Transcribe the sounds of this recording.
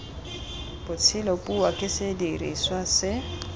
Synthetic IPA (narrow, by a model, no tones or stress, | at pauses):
bʊt͡sʰɪlopʼuwakʼɪsedirḭswasɪ